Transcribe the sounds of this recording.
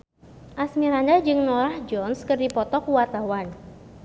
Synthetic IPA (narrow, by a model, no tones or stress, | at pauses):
ʔasmiɾandad͡ʒɨŋnɔɾahd͡ʒɔnskərdipɔt̪ɔkuwat̪awan